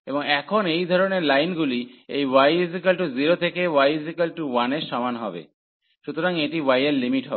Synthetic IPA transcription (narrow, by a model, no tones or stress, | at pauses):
eboŋɛkʰonejd̪ʱɔɾoneɾlajnɡuliḛjwajizikalʈuziɾot̪ʰekewajzikalʈuwaneɾʃɔmanɦɔbḛ | ʃut̪oɾaŋeʈiwajelːimiʈɦɔ